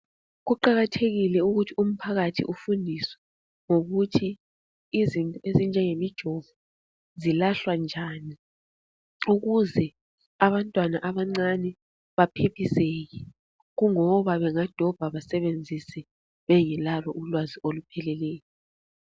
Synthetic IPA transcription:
ɣuǃaɣatʰeɣilɛuɣutʰium̩pʰaɣatʰḭʔufundʱiswɛ̥ | ŋoɣutʰiː | zintʼɔezind͡ʒʱɛŋemid̥ʒ̥ʱɔvɔ | zilaɬwand͡ʒʱaːni | uɣuzɛ | aβantʼwanaʔaβaŋ͡ǀanɛ | βapʰepʰiseɣɛ | ɣuŋɔβaβɛŋad̥ʱɔb̥ʱaβasɛβend͡zʱisɛ | βɛjɛlalɔʔulwaziolupʰɛlɛlɛːjɔ

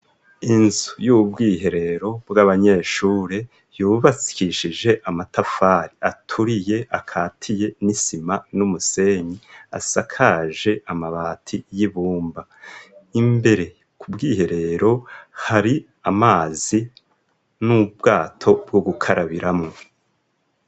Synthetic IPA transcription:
inzujubɡiːɦe̞ɾe̞ɾo̞bɡaβaɲe̞ːʃuːɾe | juːβasi̥kiʃiʒe̞ʔamatafaːɾiatʰuɾije̞ʔakʰaːtʰije̞nisimanumuse̞ɲia̰sakʰaʒe̞ʔamaβaːtʰijiβuːmba | imbe̞ɾe̞ | kʰubɡiːhe̞ɾe̞ɾo̞haɾi | amaːzi | nubɡaːtʰo̞bɡoɡukʰaɾaβiɾamŋo

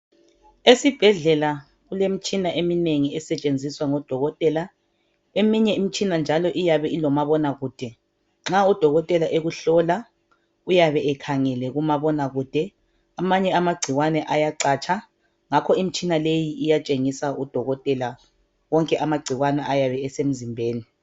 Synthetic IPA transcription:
esib̥ʱɛɮɛla | ɣulemit͡ʃʼinaʔemineŋiɛsɛt͡ʃʼend͡zʱiswaŋɔd̥ʱɔɣɔtʼɛla | emiɲɛim̩t͡ʃʼinand͡ʒʱalɔʔijaβɛʔilɔmaβɔnaɣuːd̥ʱɛ | ŋ͡ǁaud̥ʱɔɣɔtʼɛlaʔeɣuɬɔla | ujaβɛɛkʰaŋɛlɛɣumaβɔnaɣud̥ʱɛ | amaɲɛamaɡ͡ǀʱiwanɛʔajaǀaːt͡ʃʰʼa | ŋakʰɔimit͡ʃʼinalejiʔijat͡ʃʼeŋisaud̥ʱɔɣɔtʼɛla | wɔŋkʼɛʔamaɡ͡ǀʱiwanɛʔajaβɛːsem̩zimbʱeːni

